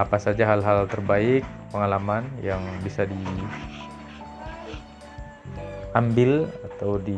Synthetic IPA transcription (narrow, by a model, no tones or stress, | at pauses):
apasad͡ʒaɦalɦalt̪ərbaɪk̚pəŋalamanjaŋbisadi | ambɪlat̪awdi